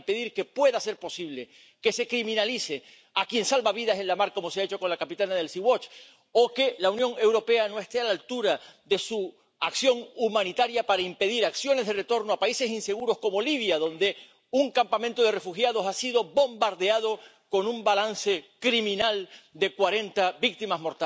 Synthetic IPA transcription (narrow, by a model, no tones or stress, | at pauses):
mpe̞ðiɾke̞pwe̞ðase̞ɾpo̞siβle̞ | ke̞se̞kɾimĩnalise̞ | akje̞nsalβaβiðase̞nlamaɾko̞mo̞seaet͡ʃo̞ko̞nlakapit̪anaðe̞lsiwot͡ʃ | o̞ke̞launjõ̞ŋe̞wɾo̞pe̞ano̞e̞st̪e̞alalt̪uɾaðe̞su | aksjo̞ŋumãnit̪aɾjapaɾaimpe̞ðiɾaksjo̞ne̞zðere̞t̪o̞ɾno̞apaise̞sinse̞ɣ̞uɾo̞sko̞mo̞liβ̞jaðo̞nd̪e̞ | uŋkampamẽnt̪o̞ð̞e̞re̞fuxjað̞o̞sasiðo̞bo̞mbaɾðe̞að̞o̞ | ko̞numbalanse̞kɾimĩnald̪e̞kwaɾe̞nt̪abik̚t̪imazmo̞ɾt̪a